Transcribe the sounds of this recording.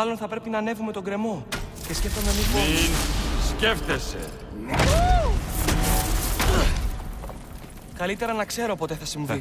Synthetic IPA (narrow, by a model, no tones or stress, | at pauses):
ɐlo̞nθɐpɾe̞pinɐne̞vume̞t̪o̞ɡɾe̞mo̞ | ce̞sce̞ft̪o̞memizmo | sceft̪esḛ | kɐlit̪e̞ɾɐnɐkse̞ɾo̞po̞t̪eθɐsiɱvi